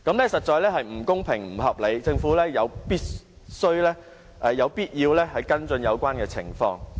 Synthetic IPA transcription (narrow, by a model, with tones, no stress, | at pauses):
kɐ˨˥mlɛː˥sɐ˨t̚t͡ʃɔː˨˧jlɛː˥hɐ˨jm̩˨˩kʊ˥ŋpʰɪ˨˩ŋm̩˨˩ɦɐ˨p̚le˨˧jt͡sɪ˧ŋfuː˨˥lɛː˥jɐ˨˧wpiː˥t̚ | sɵ˥ɥlɛː˥ | ʔɛː˨˧jɐ˨˧wpiː˥t̚jiː˧wlɛː˥hɐ˨jkɐ˥nt͡sɵ˧njɐ˨˧wkʷaː˥nkɛː˧t͡sʰɪ˨˩ŋfɔ̰ː˧ŋ